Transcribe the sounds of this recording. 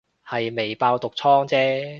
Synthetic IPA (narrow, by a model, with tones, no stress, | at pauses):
hɐ˨jme˨jpaː˧wt̪ʊ˨k̚t͡sʰɔː˥ŋt͡sɛː˥